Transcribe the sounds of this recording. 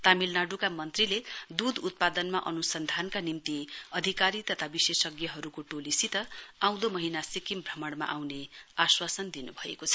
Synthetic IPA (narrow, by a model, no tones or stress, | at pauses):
t̪amilnaɖukamʌnt̪riled̪ud̪ut̪̚pad̪ʌnmaʔʌnusʌnd̪ʱankanimt̪iʌd̪ʱikaɾit̪ʌt̪ʰabisesʌɡjʌɦʌɾukoʈolisit̪ʌaw̃d̪omʌɦinasikimbrʌmʌɽma̰ʔawneaswasʌnd̪inubʱʌḛkot͡sʰʌ̥